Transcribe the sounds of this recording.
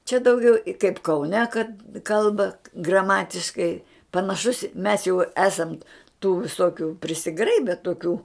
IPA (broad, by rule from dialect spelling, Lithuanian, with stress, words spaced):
t͡ʃʲɛ dɐʊˈɡʲɛʊ ɪ kɐɪp kɐʊˈnʲɛ kɐt ˈkɐlˠbɐ ɡrɐˈmɑːtʲɪʃkɐɪ pɐnɐˈʃʊs mʲɛs jɛʊ ˈæːsɐnt tuː ʋʲɪˈsoːkʲʊ pʲrʲɪsʲɪˈɡrɐɪbʲɛ toːˈkʲuː